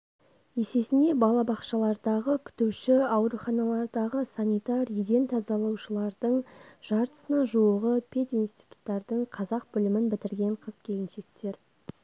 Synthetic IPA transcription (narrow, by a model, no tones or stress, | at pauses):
je̞se̞sɪnd̪e̞bɑlˠɑbɑqʃɑlˠɑɾd̪ɑʁəkʲʰʏ̥t̪uwʃɪɑwɾuχɑnɑlˠɑɾd̪ɑʁəsɑnʲijt̪ɑɾjʏd̪e̞nt̪ʰɑzɑlˠɑwʃəlˠɑɾd̪əɴʒ̥ɑɾt̪ə̥sənɑʒuəʁəpʲʰe̞t̪inst̪ijt̪u̥t̪ːɑɾd̪əɴqʰɑzɑq̚bʏlɪmɪnbɪt̪ɪɾɡʲe̞ɴqʰəz̥kʲʰe̞lɪnʃe̞k̚t̪e̞ɾ